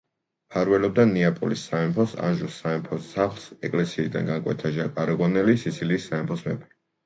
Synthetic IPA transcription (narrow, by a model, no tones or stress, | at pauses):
pʰaɾwɛlɔb̚d̪aniapʼɔ̰lisːaɛmpʰɔsa̰nʒusːaɛmpʰɔsːaχlˠsɛkʼlɛsiːd̪a̰nɡaŋkʼwɛ̰t̪ʰaʒakʼaɾɛʁwɔnɛlisit̪sʰiliːsːaɛmpʰɔsmɛpʰɛ